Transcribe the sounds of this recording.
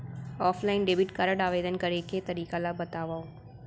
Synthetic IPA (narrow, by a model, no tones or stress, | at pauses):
ɔːfʰlaɪnɖeːbɪʈkaɾəɖaːʋeːd̪ənkɐɾekʰet̪ɐɾiːkalabɐt̪aːʋaːoː